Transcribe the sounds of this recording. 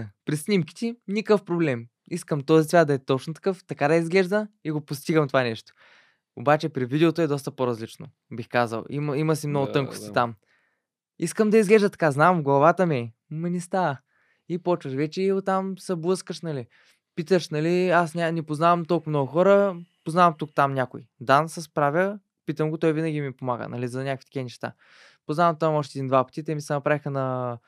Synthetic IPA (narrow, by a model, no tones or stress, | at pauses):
pɾisnʲimki̥t̪inʲikəfpɾoblɛm | iskəmt̪ɔzisvʲat̪̚d̪ɐɛt̪ɔt͡ʃnot̪ɐ̥kɤft̪ɐkad̪ɐizɡlɛʒd̪əiɡopost̪iɡəmt̪ovanɛʃt̪o̥ | obat͡ʃɛpɾivid̪ɛot̪oɛd̪ɔst̪əpoɾɐzlit͡ʃno̰ | bixkazə̰lˠimiməsimnɔɡʊt̪ɤŋko̥st̪it̪am | iskəmd̪ɐizɡlɛʒd̪ət̪ɐ̥kaznamɡlˠɐvat̪əmi | mɐnɛst̪aə | ipɔt͡ʃvəʃvɛt͡ʃɛiʊt̪ːamsɐblˠɤskəʃnɐli | pit̪əʃnɐliasnʲanipoznavɐmt̪olˠkmnɔɡʊxɔɾəpoznavɐmt̪ukt̪amnʲakʊid̪ansɐspɾavʲə | pit̪əmɡot̪ɔjvinəɡʲimipomaɡə̰nɐlizɐnʲakvit̪kiənɛʃt̪a̰ | poznavɐmt̪oɐmɔʃ̬t̪ɛd̪ind̪vapɐ̥t̪it̪ɛmisɛnɐpɾavixənɐ